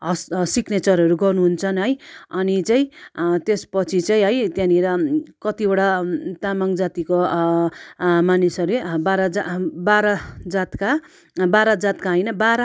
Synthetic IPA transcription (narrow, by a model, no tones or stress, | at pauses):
ɦʌssiknet͡sʌɾɦʌɾuɡʌrnuɦunt͡sʰʌnɦʌjʌnit͡saĩt̪espʌt͡sʰit͡saĩɦʌjt̪jãniɾʌkʌt̪iboɽat̪amʌŋd͡zat̪iko | manisʌɾulebaɾʌd͡zabaɾʌd͡zat̪ka | baɾad͡zat̪kaɦʌjnʌbaɾa